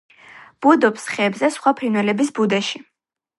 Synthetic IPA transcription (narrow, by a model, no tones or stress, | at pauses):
b̥ud̪ɔpsχɛːbzɛsχwapʰɾinwɛlɛbisbud̪ɛʃi